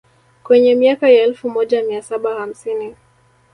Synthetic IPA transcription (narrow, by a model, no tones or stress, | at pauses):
kwɛɲɛmiakajaɛlfumɔʄamiasaɓaham̩sini